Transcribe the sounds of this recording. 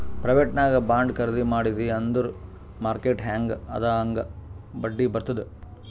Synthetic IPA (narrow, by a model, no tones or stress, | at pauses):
pɾɐʋeːʈnaːɡɐbaːɳɖkɐɾd̪imaːɽid̪iɐnd̪uɾ | maːɾkeːʈɦaːŋɡɐ̰d̪aːɐŋɡɐbɐɖːibɐɾt̪ɐd̪u